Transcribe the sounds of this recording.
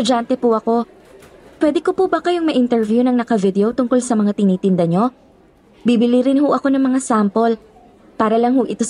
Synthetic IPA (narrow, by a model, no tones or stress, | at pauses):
ʊd͡ʒant̪ɛpʊʔɐko̞ | pwɛd̪ɛko̞pubɐkɐjoŋmɐʔɪnt̪ɛɹvjunɐŋnɐkɐvɪd̪ɛot̪ʊŋko̞lsɐmɐŋat̪ɪniːt̪ɪnd̪ɐɲo̞ | bibɪliɾɪnhʊʔɐko̞nɐŋmɐŋasampo̞l | paːɾɐlɐŋhoʔɪt̪o̞